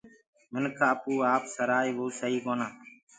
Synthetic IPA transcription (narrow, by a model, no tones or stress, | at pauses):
mɪnkʰaːəpuːaːpsəɾaːiːʋoːsəɦiːkoːnãː